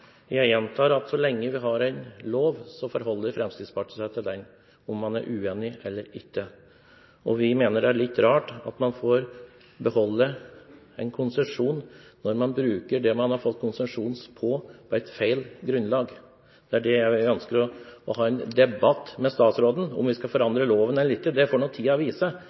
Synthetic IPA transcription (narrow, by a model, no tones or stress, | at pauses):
jæɪjɛnt̪ʰɑːɾɑt̪sɔlɛŋːəʋɪɦɑɾæɪnloːʋsɔfɔɾɦɔlːəɾfɾɛmst̪ɪd̪spʰɑʈːsæɪt̪ʰɪld̪ɛn | ɔmːɑnæɾʔʉːeːnɪɛlːəɾɪçːə | ʔɔʋɪmeːnəɖɛæɭɪt̪ːɾɑːʈɑ̰t̪mɑnfoːɾ | bəhɔlːə | ɛɪnkʰʊnsɛʂuːnnɔɾmɑnbɾʉːkəɖɛmɑnhɑɾfɔt̪ːkʰʊnsɛʂuːnspʰɔpʰɔɛɪt̪feɪlɡɾʉnːlɑːɡ | d̪̥ɛæɖɛjæœnskəɾɔɔɦɑːɛnd̪ɛbɑt̪ːmɛst̪ɑːt̪sɾoːd̪n̩ɔ̰mʋɪskɑfɔɾɑnd̪ɾəloːʋənɛnlɪt̪ːəd̪ɛfoːɳɔːt̪ʰiːɑʋiːsə